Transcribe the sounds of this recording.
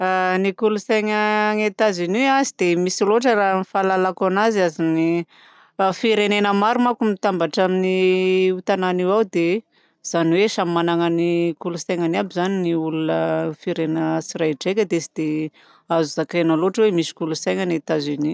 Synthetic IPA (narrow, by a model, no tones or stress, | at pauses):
anikulusajŋəŋet̪aziniazid̪emisiloʈ͡ʂəranifalalakanaziazini | fiɾenenəmaɾumakumit̪ambaʈ͡ʂaminiut̪ananiwawd̪e | z̥aniweʃammanaŋənikulusajŋaniabizaniniulunəfiɾenəsiɾajʈ͡ʂekʲəd̪esid̪̥e | azuzakenaloʈ͡ʂwemisi̥kulusajŋanet̪azini